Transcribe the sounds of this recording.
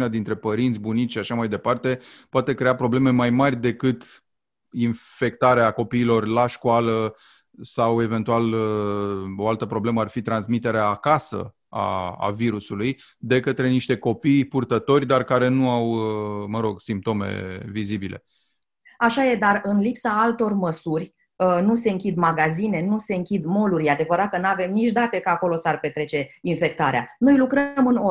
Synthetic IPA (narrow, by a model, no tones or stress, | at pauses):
nead̪int̪ɾe̞pəɾint̪sʲbunit̪ʃiaʃamajd̪e̞part̪e̞poat̪e̞kɾe̞apɾo̞ble̞me̞majmarʲd̪e̞kɨt̪ | infe̞kt̪aɾeako̞piːlo̞rlaʃkoalə | sawe̞ve̞nt̪ual | o̞alt̪əpɾo̞bleməarfit̪ɾansmit̪e̞ɾeaːkasə̰ | a̰ːviɾusuluj | d̪e̞kət̪ɾe̞niʃt̪e̞ko̞pijpurt̪ət̪o̞rʲd̪arkaɾe̞nuawməɾo̞ɡsimp̚t̪o̞mḛvizibilʔe̞̰ | aʃaje̞d̪arɨnlipsaalt̪o̞rməsurʲ | ənuse̞ɨŋkʲid̪maɡazine̞nuse̞ɨŋkʲid̪mo̞luɾʲjad̪e̞vəɾat̪̚kənuave̞mnit͡ʃʲd̪at̪e̞kaako̞lo̞sarpe̞t̪ɾe̞t͡ʃe̞infe̞k̚t̪aɾeanojlukɾəmɨno